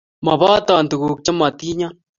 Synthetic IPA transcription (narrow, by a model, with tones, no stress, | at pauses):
ma˨βaː˦t̪aː˨nt̪u˨ɣuː˨k̚t͡ʃa˦ma˨t̪i˦ɲa˦